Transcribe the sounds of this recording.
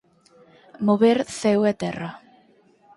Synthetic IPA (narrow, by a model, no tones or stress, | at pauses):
moβeɾθɛwɛt̪ɛra